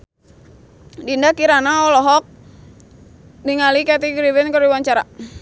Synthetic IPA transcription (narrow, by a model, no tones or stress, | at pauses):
dindakiɾanaɔlɔɦɔk̚ | diŋalikat̪iɡɾibɛnkəɾiwaɲt͡ʃaɾa